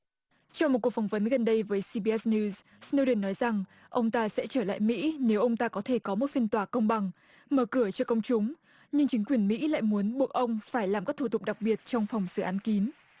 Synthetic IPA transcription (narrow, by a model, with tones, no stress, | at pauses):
t͡ɕɔ˧ŋ͡mo˨˩ku˨˩əkfɔ˧˩ŋ͡m̚və˨˦nɣə˨˩nɗə˧jvəː˨˦jsi˧ɓi˧ɛ˦˥sni˧z | sni˧wɗi˨˩nːɔ˨˦jza˨˩ŋ | ʔə˧wŋ͡mt̪aː˧sɛ̰˧˥t͡ɕəː˧˩la̰ː˧˨jmḭ˧˥ne˨˦wʔə˧wŋ͡mt̪aː˧kɔ˨˦t̪ʰe˧˩kɔ˨˦mo˨˩t̚fi˧ənt̪waː˨˩kə˧wŋ͡mɓa˨˩ŋ | məː˧˩kɨ˧˩ət͡ɕɔ˧kə˧wŋ͡mt͡ɕʊ˨˦ŋ͡m | ɲɨ˧ŋt͡ɕï˨˦kwi˨˩ənmḭ˧˥la̰ː˧˨jmu˨˦ənɓu˧˩ək̚ʔə˧wŋ͡mfaː˧˩jlaː˨˩mkaː˦˥k̚t̪ʰu˧˩t̪ʊ˨˩k͡p̚ɗa˨˩k̚ɓi˨˩ət̚t͡ɕɔ˧wŋ͡mfa˨˩wŋ͡msɨ˧˩ʔaː˨˦nki˨˦n